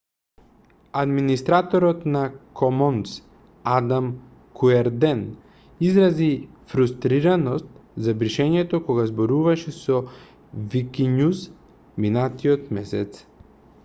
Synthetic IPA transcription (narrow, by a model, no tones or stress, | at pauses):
ad̪minist̪ɾat̪ɔɾɔt̪nakʰɔmɔns | ad̪am | kuɛɾd̪ɛn | izɾazifɾust̪ɾiɾanɔst̪zabɾiʃɛɲɛt̪ɔkɔɡazbɔɾuvaʃɛsɔ | vikʲiɲus | minat̪iɔt̪mɛsɛt̪s